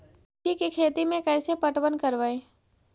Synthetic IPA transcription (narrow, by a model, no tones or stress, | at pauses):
ʈikikʰeːt̪imẽkɛːsepəʈʋənkəɾʋae